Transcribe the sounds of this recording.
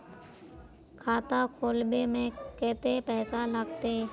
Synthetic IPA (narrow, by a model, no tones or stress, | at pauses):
kʰaːt̪akʰoːlbemẽkɛːt̪epɛːsaləɡt̪eː